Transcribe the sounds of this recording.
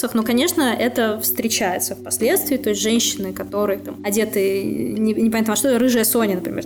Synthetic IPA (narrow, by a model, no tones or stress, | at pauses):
səxnokɐnʲe̞ʂnəʔɛt̪əfst̪ɾʲɪt͡ɕæjɪt̪səfpɐsʲlʲe̞t̪st̪vʲɪːt̪o̞ɪsʲtʲʐɛnʲɕːɪnɨkɐt̪o̞ɾɨjət̪amɐdʲet̪ɨnʲɪnʲɪpɐnat̪nəɐʂt̪oɾɨʐɨjəsonʲɪnəpɾʲɪ̰mʲḛ